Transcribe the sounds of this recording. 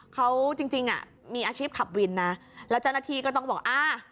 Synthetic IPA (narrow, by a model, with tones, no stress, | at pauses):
kʰa˦˥wt͡ɕi˧ŋt͡ɕi˧ŋʔa̰˨˩ | miː˧ʔaː˧t͡ɕʰiː˥˩k̪ʰa˨˩p̚wi˧nːa˦˥ | lɛː˦˥t͡ɕa˦˥˩wna˧t̪ʰiː˧kɔː˥˩t̪ɔ˥˩ŋbɔː˨˩k̚ʔaː˧